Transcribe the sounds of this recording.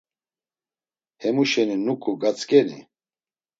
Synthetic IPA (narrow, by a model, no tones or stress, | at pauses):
hɛmuʃɛninukʼuɡat͡sʼkʼɛnḭ